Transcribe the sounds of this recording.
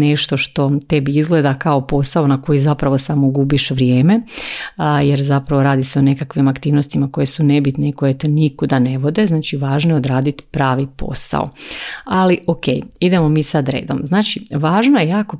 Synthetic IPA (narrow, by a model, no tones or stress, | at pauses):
neʃt̪o̞ʃt̪o̞t̪e̞biizɡled̪akao̞po̞sao̞nako̞jizapɾaʋo̞samoɡubiʃʋɾje̞ːme̞ | jeɾzapɾaʋo̞ɾaːd̪ise̞one̞kakʋimakt̪iːʋno̞st̪imako̞je̞sune̞bit̪neiko̞jet̪enikod̪ane̞ʋo̞d̪e̞znaːt͡ʃiʋaːʒnoeod̪ɾaːd̪it̪pɾaːʋipo̞̰sa̰o̰aliʔoke̞̰jid̪e̞mo̞miːsad̪ɾḛːd̪omznaːt͡ʃiʋaːʒnojejaːko̞